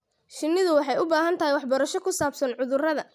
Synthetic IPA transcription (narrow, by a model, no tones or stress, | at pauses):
ʃɪnːɪðʊwɑħɑjʊbaːɦɐnt̪ʰɐɦɛjwɑħbɔɾɐʃɔkʰʊsaːbsɐnʕʊðʊrɐðɐ